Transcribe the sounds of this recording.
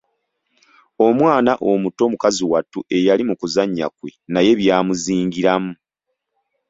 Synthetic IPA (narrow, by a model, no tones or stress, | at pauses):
o̞mwaːnaʔo̞muto̞mukaziwatːuʔe̞jalimukuzaɲːa̰kwe̞naje̞βjaːmuziːŋɡiɾamu